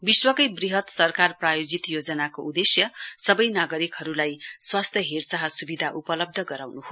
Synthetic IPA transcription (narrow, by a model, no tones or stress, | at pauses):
biswʌkʌjbriɦʌt̪sʌrkarprajod͡zit̪jod͡zʌnakoud̪esjʌsʌbʌjnaɡʌɾikɦʌɾulajswast̪ʰjʌɦert͡saɦʌsubid̪ʱaʔupʌlʌb̚d̪ʱʌɡʌɾawnuɦo